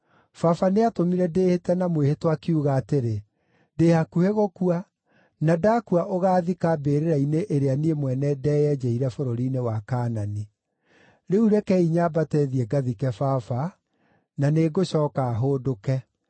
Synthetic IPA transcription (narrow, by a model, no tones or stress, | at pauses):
fafaneatomiɾɛdeːhetɛnamwehetwakeuɣaːteɾe | deːhakuheɣokua | nadakuaʔoɣaːðikabeːɾeɾaineʔeɾeaniemwɛnɛdɛːjɛd͡ʒɛiɾɛfoɾoɾiːnewakaːnani | ɾeuɾɛkɛiɲabatɛðiɛɡaðikɛfafa | naneːɡoɕɔːkaːɦodokɛ